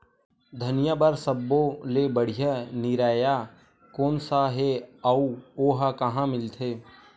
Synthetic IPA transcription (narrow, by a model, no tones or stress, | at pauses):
d̪ʱənijabəɾsəbːolebəɽ̤ijanɪɾaːja | koːnsaɦeauoːɦakɐɦãmɪlt̪ʰeː